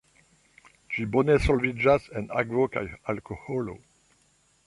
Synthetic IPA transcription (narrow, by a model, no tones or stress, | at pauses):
d͡ʒibonesolvid͡ʒasena̰ɡvoka̰jalkoholo̰